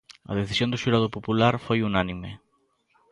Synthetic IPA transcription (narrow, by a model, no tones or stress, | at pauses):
ɐ̰ð̞eθisjõnd̪ʊʃuɾað̞opopulaɾfojunanimḛ